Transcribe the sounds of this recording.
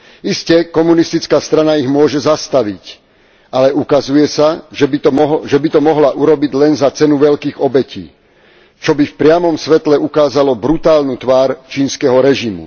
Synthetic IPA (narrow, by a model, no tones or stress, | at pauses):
iscɛkɔmunist̪it͡skaːst̪ɾanaiɣmʊɔʒɛzast̪aʋic | alɛʔukazujɛsaʒɛbiɔʒɛbit̪ɔmɔɦlaʔuɾɔbiɟlɛnzat͡sɛnuʋɛʎkiːɣɔbɛcḭː | t͡ʃɔbifpɾɪamɔmsʋɛt̪lɛukaːzalɔbɾut̪aːlnut̪ʋaːɾt͡ʃiːnskɛɦɔɾɛʒimṵ